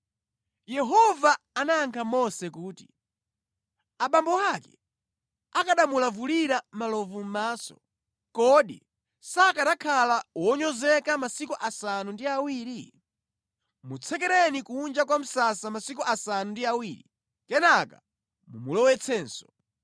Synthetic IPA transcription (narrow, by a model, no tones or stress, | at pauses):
jɛɦɔvaːnaaŋkʰamɔsɛkuːti̥ | aɓambɔakɛ̰ | akaɗamulavuliɾamalɔvum̩maːsɔ̰ | kɔɗḭ | sakatakʰalawɔɲɔzɛkamasikuʔasanundiawiːɾi | mut͡sʰɛk̬ɛɾɛnikuːnd͡ʒakwam̩sasamasikuʔasanundiawiːɾi | kɛnaka | mumulɔwɛt͡sʰɛːnsɔ̥